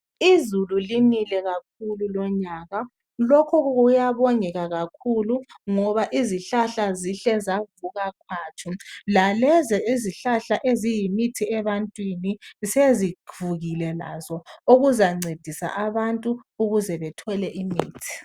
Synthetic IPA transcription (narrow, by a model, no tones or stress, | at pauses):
izululinilɛɣak̚ʰululɔɲaɣa | lɔkʰɔɣuɣujaβɔŋɛɣaɣakʰuluŋɔβaʔiziɬaɬaziɬɛzavuɣakʰwaːt͡ʃʰulalɛzɛiziɬaɬaʔezijimitʰiɛβantʼwiniseziv̥uɣilɛla̰zɔoɣuzaŋ͡ǀed̥ʱisa̰ʔaβantʼuuɣuzɛβɛtʰɔlɛʔimiːtʰi̥